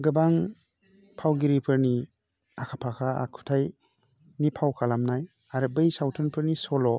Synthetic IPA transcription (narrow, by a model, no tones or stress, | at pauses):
ɡɯbaŋ | pʰawɡiɾipʰɯɾni | akʰapʰakʰaa̰kʰu̥tʰaj | nipʰawkʰalamnaj | aɾɯbɯjsawtʰɯnpʰɯɾnisɔlɔ